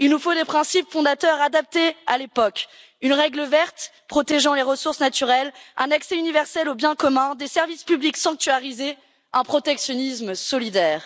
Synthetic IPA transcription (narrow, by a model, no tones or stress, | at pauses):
ilnufod̪epχɛ̃sipfɔ̃d̪at̪œʁad̪ap̚t̪ealepɔk | ynʁɛɡləvɛʁt̪pχɔt̪eʒɑ̃leʁəsuʁsnat̪yʁɛlɛ̃naksɛynivɛʁsɛlobjɛ̃kɔmɛ̃d̪esɛʁvispybliksɑ̃k̚t̪yaʁize | ɛ̃pχɔt̪ɛksjɔnismsɔlid̪ɛːʁ